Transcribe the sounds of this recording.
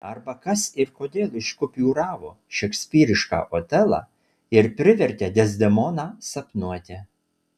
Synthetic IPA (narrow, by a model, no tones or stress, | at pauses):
ɐɾbɐkɐsɪɾkoːd̪ʲeːlˠɪʃkʊpʲjuːɾɑːʋoː | ʃʲɛksʲpʲiːɾʲɪʃkɑ̰ːʔoːt̪ʲɛlˠɑ̰ː | ɪɾpʲɾʲɪʋʲɛɾʲt̪ʲɛd̪ʲɛzʲd̪ʲɛmɔːnɑːsɐpnuɔt̪ʲɛ